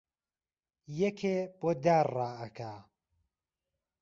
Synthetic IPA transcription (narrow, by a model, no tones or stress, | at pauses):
jɛkʰeb̥oːd̪aːraːɐkʰaː